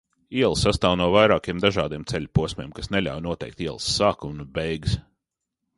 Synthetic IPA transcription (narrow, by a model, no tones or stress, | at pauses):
iɛlˠsːast̪aːwnuɔvajɾaːkiɛmd̪aʒaːd̪iɛmt̪sɛlʲpuɔsʲmeɛmkasnelʲa̰wnuɔt̪ɛ̰jk̚t̪iɛlˠsːaːkunubɛjɡs